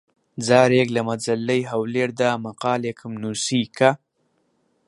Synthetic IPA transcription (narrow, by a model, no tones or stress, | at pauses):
d͡zɑːɾeɡlamad͡zalːajɦawleɾd̪amaqɑːlekʰəmnusika